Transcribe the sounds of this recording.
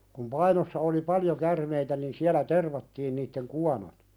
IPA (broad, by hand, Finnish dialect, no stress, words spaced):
kum pɑinosːɑ oli pɑljo kærmeitæ nin siælæ terʋɑtːiːn nitːeŋ kuɑnot